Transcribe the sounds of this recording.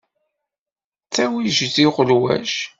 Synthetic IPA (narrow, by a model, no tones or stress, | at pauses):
t͡sːæwiʒziʁəlwæ̰ʃ